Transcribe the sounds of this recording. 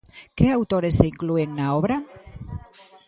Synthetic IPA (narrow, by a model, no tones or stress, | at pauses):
keawt̪oɾeseiŋklueŋnaoβ̞ɾa